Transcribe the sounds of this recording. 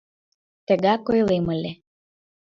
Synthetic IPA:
t̪ə̆ɣɑkojleməlʲe

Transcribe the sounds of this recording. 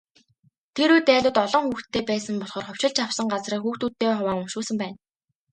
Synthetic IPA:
t̪ʰeɾujt̪æːɮʲʊːt̪ɔɮɞ̆ŋxuːxt̪ʰːeːpæːsə̆mpɔɮχɔ̆ːrχʊw̥ʲt͡ɕɪ̆ɮt͡ɕʰawsə̆ŋɢat͡sriːkxuːxt̪uːt̪ʰːeːχʊwaːŋʊmʃuːsə̆mpæːn

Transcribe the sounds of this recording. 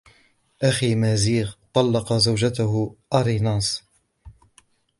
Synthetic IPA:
ʔaximaːziːɣt̪ˤɑlːɑqɑzawd͡ʒat̪ʊɦʊʔɑɾinɑːsˤ

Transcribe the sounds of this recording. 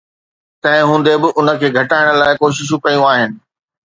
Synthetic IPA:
t̪ɐ̃ɦɪ̃ɦũːn̆d̪ebɪʔʊnə̆kʰeːɡʱɐʈaːɪɽ̃̆laːɪkoːʃ̬ɪʃ̬ũkɐjũaːɦɪnɪ̆

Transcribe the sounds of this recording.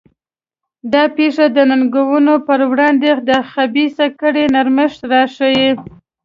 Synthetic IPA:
d̪ɑpeʂad̪ənanɡawunopəɾwɽɑnd̪ed̪əxabisakəɽenaɾmɪʂt̪ɾɑʂawi

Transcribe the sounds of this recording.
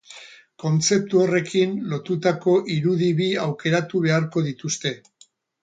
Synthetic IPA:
ko̞nt͡se̞p̚t̪uo̞re̞kinlo̞t̪ut̪ako̞ʔiɾuðiβiawke̞ɾat̪uβe̞aɾko̞ðit̪ust̪e̞

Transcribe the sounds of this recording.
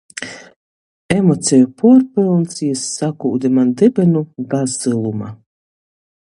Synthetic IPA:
emot̪sʲɛjupɔɔɾpɨlˠnt̪sijasːakud̪ɛmand̪ɛbɛnuɡazd̪ɨlˠuma̰

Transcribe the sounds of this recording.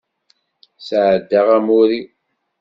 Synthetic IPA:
sʕəd̪ːaʁæmʊɾi

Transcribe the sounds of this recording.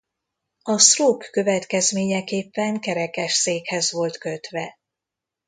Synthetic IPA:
ɒsroːkːø̞vɛt̪kɛzmeːɲɛkeːpːɛŋkɛɾɛkɛʃseːkhɛzʋo̞lt̪køt̪ʋɛ

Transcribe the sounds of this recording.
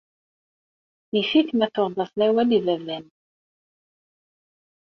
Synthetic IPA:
ifiθmæθoʁðˤɑsˤlæwælivævlæn

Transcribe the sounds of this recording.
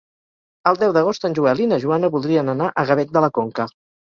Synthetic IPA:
əlˠd̪ɛwðəɣ̞ost̪ənʲʒuəlinəʒuanəβulˠd̪ɾiənənaʔəɣəβɛt̪̚d̪ələkoŋkə

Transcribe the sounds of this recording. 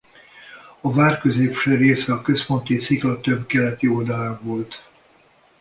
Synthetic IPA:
ɒvaːrkø̞zeːpʃɛɾeːsɛɒkø̞spo̞nt̪isiklɒt̪øbkɛlɛt̪iold̪ɒlaːɱvo̞lt̪

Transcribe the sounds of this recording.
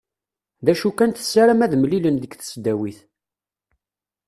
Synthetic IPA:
ðæʃukænt̪ə̥sːaɾæmæðmlilənðəɡθə̥sd̪ːæwiθ

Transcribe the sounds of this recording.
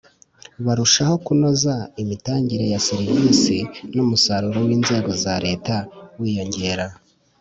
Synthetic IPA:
βaɾuʃaho̞kuno̞zaimitaːɲɟiɾe̞jasiɾivisinumusaɾuɾo̞wiːnze̞ːɡo̞zaɾe̞ːtawiːjo̞ɲɟe̞ːɾa

